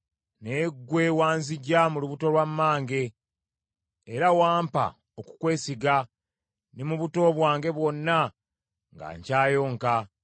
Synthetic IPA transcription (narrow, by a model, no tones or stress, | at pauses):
neɡwe̞waːnziɟamuluβuto̞lwamːaːŋɡe̞ | ɾawaːmpa̰ | oku̥kwe̞ːsiɡa | nimuβuto̞βwaːŋɡe̞βwo̞nːa | ŋɡa̰ɲcaːjo̞ːŋka